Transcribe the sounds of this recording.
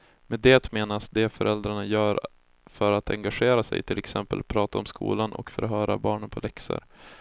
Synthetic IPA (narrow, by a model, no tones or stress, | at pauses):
mɛd̪eːt̪meːnasd̪ɛfœɾʔɛld̪ɾaɳajœːɾ | fœɾat̪ʰɛŋɡaɧeːɾasɛ̰jt̪ʰɪlɛksɛmpəlpʰɾɑːt̪aɔmskṵːlanʔɔ̰kfœɾɦœːɾa̰bɑːɳənpʰɔlɛksə̰ɾ